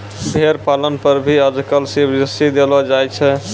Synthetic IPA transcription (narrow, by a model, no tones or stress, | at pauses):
bʱeɾpalənpəɾbʱiəd͡ʒʱkəlsibd͡ʒəsid̪elɔd͡ʒajt͡ʃʰɛ